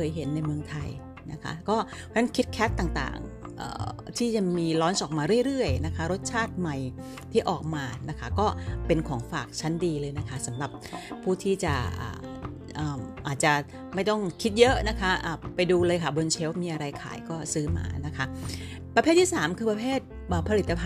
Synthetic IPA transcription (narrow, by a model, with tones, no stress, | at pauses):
kʰɤː˨˦jɦe˩˦nːa˧jmɯ˧əŋt̪ʰa˧j | na˦˥kʰa̰˦˥kɔː˥˩ | pʰːn˦˥nkʰi˦˥t̪̚kʰɛː˦˥t̪ːaː˨˩ŋt̪a̰ː˨˩ŋ | ʔə̰ː˨˩t̪ʰiː˥˩t͡ɕa˨˩miː˧lɔː˦˥nsɔː˨˩k̚maː˧ɾɯ˥˩əjɾɯ˥˩əjna˦˥kʰa˦˥ɾo˦˥t̪̚t͡ɕʰaː˥˩t̪̚ma˨˩j | t̪ʰiː˥˩ʔɔː˨˩k̚maː˧na˦˥kʰa˦˥kɔː˥˩pe˧nkʰɔː˩˦ŋfaː˨˩k̚t͡ɕʰa˦˥ndiː˧lɤː˧jna˦˥kʰa˦˥sa˩˦mɾa˨˩p̚ʰuː˥˩t̪ʰiː˥˩t͡ɕa˨˩ʔa̰ː˨˩ | ʔaː˨˩ʔaː˨˩t̪̚t͡ɕa˨˩ | ma˥˩jt̪ɔ˥˩ŋkʰi˦˥t̪̚jɤ˦˥ʔna˦˥kʰa˦˥ʔəː˨˩pa˧jduː˧lɤː˧jkʰa˥˩bo˧nt͡ɕʰe˦˥wmiː˧ʔa˧ɾa˧jkʰa̰ː˨˩jkɔː˥˩sɯː˦˥ma̰ː˧na˦˥kʰa˦˥ | pɾa˧eː˥˩t̪ʰːiː˥˩saː˩˦mkʰɯː˧pa˧pʰeː˥˩t̪̚ | ʔəː˨˩pʰa˧li˨˩t̪ːa˧pʰ